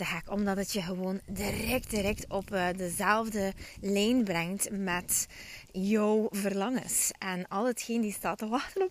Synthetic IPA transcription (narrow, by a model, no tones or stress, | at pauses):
əɦɛkɔmdɑtətjəɣəʋoːndirɛk̚t̚diɾɛk̚tɔpːdəzɛlˠvdəlɛjnbrɛŋtmɛt | jəwvərlɑŋəsɛnɑlˠɦətxeːndistɑːtəʋɑxtənɔp